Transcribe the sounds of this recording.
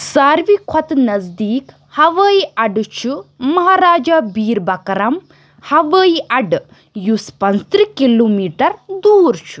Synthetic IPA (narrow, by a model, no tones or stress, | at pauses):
saːɾʋikʰɔt̪nɐzd̪iːk | hɐʋəːiɐɖt͡ʃʰumɐɦaːɾaːd͡ʒaːbiːɾbɐkɐɾɐm | hɐʋəːjiʔɐɖ | juspɐnzt̪ɾikiloːmiːʈɐɾd̪uːɾt͡ʃʰu̥